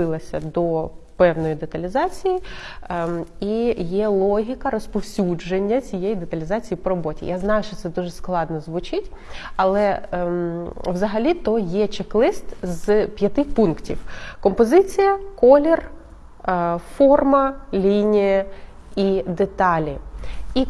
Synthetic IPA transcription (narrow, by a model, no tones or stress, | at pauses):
ɪlˠɐsʲɐd̪ɔpɛwnɔjid̪et̪ɐlʲizɑt͡sʲiji | ijɛlˠɔɦʲikɐɾɔspɔwsʲud͡ʒenʲːɐt͡sʲijɛjid̪et̪ɐlʲizɑt͡sʲijipɔɾɔbɔtʲḭjʔaznɑjʊʃt͡ʃɔt̪sɛd̪uʒɛsklˠɑd̪nɔzʋʊt͡ʃɪtʲɐlˠɛ | wzɐɦɐlʲit̪ɔjɛt͡ʃeklˠɪst̪zpʲjɐt̪ɪxpunktʲḭwkɔmpɔzɪt͡sʲijɐkɔlʲir | fɔrmɐlʲinʲijɐ | id̪et̪ɑlʲii